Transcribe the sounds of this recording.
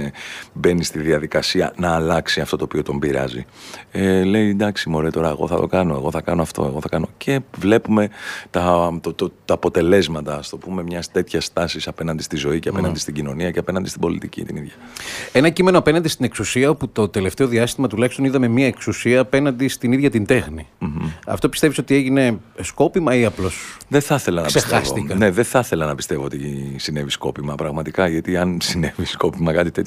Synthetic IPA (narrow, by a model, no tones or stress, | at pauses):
be̞nist̪iðiɐðikɐsiɐ̰nɐːlɐksiɐft̪o̞t̪oːpio̞t̪o̞mbiɾɐ̰zḭele̞id̪ɐksimo̞ɾet̪o̞ɾɐeɣo̞̰θɐ̰t̪o̞kɐno̞e̞̰ɣo̞θɐkɐno̞ɐft̪o̞̰e̞ɣo̞θɐkɐno̞cʰe̞vle̞pume̞t̪ɐt̪ot̪ot̪ɐːpo̞t̪e̞le̞zmɐt̪ɐst̪opume̞mɲɐst̪e̞t̪çɐst̪ɐsisɐpe̞nɐnd̪ist̪izo̞iceɐpe̞nɐnd̪ist̪iɟino̞niɐceɐpe̞nɐnd̪ist̪ibo̞lit̪icḭt̪iniðʝɐ | enɐcime̞noɐpe̞nɐnd̪ist̪ine̞ksusiɐo̞put̪o̞t̪e̞le̞ft̪e̞o̞ðiɐst̪imɐt̪ulɐçist̪o̞niðɐme̞miɐeksusiɐːpe̞nɐnd̪ist̪iniðʝɐt̪ind̪e̞xniɐ̰ft̪o̞pi̥st̪e̞viso̞t̪ieʝine̞sko̞pimɐiɐplo̞sðeθɐθe̞lɐnɐpisesxesoikɐne̞ðeθɐθe̞lɐnɐpi̥st̪e̞vo̞ot̪isine̞visko̞̰pimɐpɾɐɣmɐt̪ikɐʝɐt̪iɐnsine̞visko̞pimɐkɐt̪it̪e̞t̪